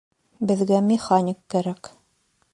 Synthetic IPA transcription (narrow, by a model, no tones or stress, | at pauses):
bɘ̆ðɡæmʲɪχanʲɪkːæɾæk